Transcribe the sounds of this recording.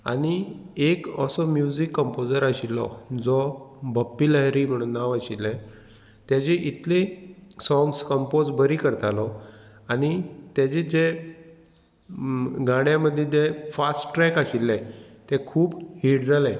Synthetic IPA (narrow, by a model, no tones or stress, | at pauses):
a̰ɽ̃iekəsɔmjud͡zikːəmpod͡zəɾaɕilːɔ̰d͡zɔbəpːilaɦjɾiːm̤əɽ̃uːnːaʋaɕilːɛ̃ | t̪jat͡ɕeʔit̪lesɔ̃ŋɡskəmpod͡zbəɾikəɾt̪alɔ | aɽ̃it̪jat͡ɕed͡ʑe | ɡʱãɽjãməd̪ʱːjed̪ʱjefasʈʈɾɛkaɕilːɛ̃t̪ekʰuːbhiʈd͡zʱalɛ̃